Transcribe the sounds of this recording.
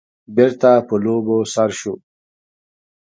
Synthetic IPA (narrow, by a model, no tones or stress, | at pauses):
biɾt̪apəloːbosaɾʃu